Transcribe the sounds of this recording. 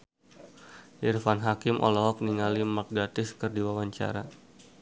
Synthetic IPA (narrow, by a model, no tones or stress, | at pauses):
ʔirfanɦakɪmʔɔ̰lɔɦɔk̚niŋalimak̚ɡat̪ɪskərdiwawaɲt͡ʃa̰ɾa̰